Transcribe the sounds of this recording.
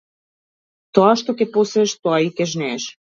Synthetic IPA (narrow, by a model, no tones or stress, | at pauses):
t̪oɑʃt̪okepuseʃt̪oɑikeʒnɛʃ